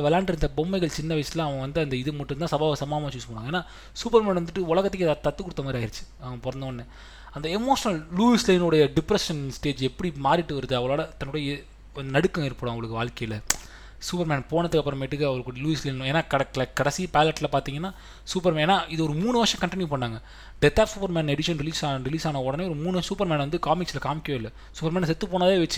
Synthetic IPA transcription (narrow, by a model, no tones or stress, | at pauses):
ɐʋɛlaːɳʈɪɾɯnd̪ɐbɔmːɐɪɣɐɭt͡ʃɪnːɐʋɐɪsɪt̪lãːɐʋɐ̃ʋɐnd̪ɯɐnd̪ɐɪðɯmɐʈːɯnd̪ãːsɐbaːʋɐsɐmaːmaːt͡ʃuːspɐːɽaːɡɐeːnːaː | suːpɐɾmaːnɐnd̪ɯʈːɯʊɭɐɣɐt̪ːɯkːɪðat̪ɐt̪ːɯkʊɽɯt̪ːɐmaːd̪ɾiaːjɪɾɯt͡ʃːɯ̥ɐʋɐ̃pɔɾɐnd̪ɐnːɛ | ɐnd̪ɐɛmoːʂɐnɐlluːislɐɪnɯɽɐjɐɖɪpːɾɐʂɐnsʈeːd͡ʒɛpːɐɽimaːɾɪʈːɯʋɐɾɯðɯɐʋɐɭoːɽɐt̪ːɐnːʊɽɐjɐ | ɐnd̪nɐɽɯkːɐ̃ɪɾɯpːɯɽõɐŋɡɐɭɯkːɯʋaːɭkɐjlɐ | suːpɐɾmaːnpoːɳɐt̪ːɯkːɐpːɯɾɐmeʈːɯkːɯɐʋɐɭɯkːɯɽɐjɐluːɪslɐɪñeːnːaːkɐkːlkɐɽɐsipaːlɐʈːlɐpaːɾt̪iːŋɡɐnːaː | suːpɐɾmẽːeːnːaːʔɪðɯɔɾɯmuːnɯʋɐɾʂɐ̃kɐɳʈɪnjupɐɳːaːŋɡɐ | ɖɛt̪ːaːpsuːpɐɾmaːnɛɽɪʂɐnɾɪliːsaːɾɪliːsaːnɐɔɽɐneɔɾɯmuːnɯsuːpɐɾmaːnʋɐnd̪ɯkaːmɪksɪlɐkaːmɪkːjõːɪlːɐ | suːpɐɾmaːns̬ɛt̪ːɯpoːnaːðɐeːʋɐt͡ʃːɯ̥